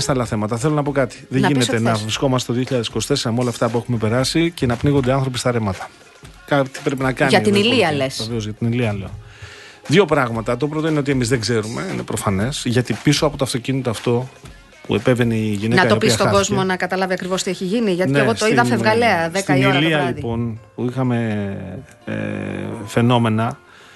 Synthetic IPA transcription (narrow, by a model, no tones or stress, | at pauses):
est̪ɐlɐθe̞mɐt̪ɐθe̞lo̞nɐp̬o̞kɐt̪i̥ðeʝineenɐvɾisko̞mɐst̪etoðioçiʎɐðesiko̞st̪eseɾɐmolɐːft̪ɐpue̞xume̞pe̞ɾɐsice̞nɐpniɣond̪eɐ̃nθɾo̞p̬ist̪ɐɾemɐt̪ɐ̥ | kɐt̪i̥pɾe̞pinɐkɐnɐt̪iniliɐlesoveozʝɐt̪iniliɐleo | ðjʝo̞pɾɐɣmɐt̪ɐt̪o̞p̬ɾo̞t̪o̞ineoie̞mizðeɡze̞ɾume̞ine̞pɾo̞fɐne̞sʝɐt̪ipisoɐpot̪oɐft̪o̞cinit̪ɐːft̪o̞ | puepe̞ve̞niʝinenɐɐopissɐt̪oɐɡo̞zmmo̞nɐkɐt̪ɐlɐviɐkɾivo̞st̪ieçiʝiniʝɐt̪neeɣo̞soiðɐffevɣɐle̞ɐðetk̪iniliɐliðpo̞npuixɐme̞ | fe̞no̞me̞nɐ